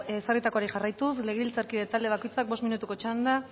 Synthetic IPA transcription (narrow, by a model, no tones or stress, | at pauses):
sarit̪ako̞aɾiʝarajt̪usle̞ɣeβilt͡saɾkiðet̪ald̪e̞β̞ako̞jt͡sak̚bo̞sminut̪uko̞t͡ʃand̪a